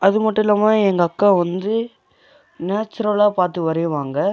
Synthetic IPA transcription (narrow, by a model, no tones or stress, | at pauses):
ɐðɯmɐʈːɪlɐmãːɛŋɡɐɐkːaːʋɐnd̪ɯ | naːt͡ʃːɐɾɐlaːpaːɾt̪ɯʋɐɾɐʋaːŋɡɐ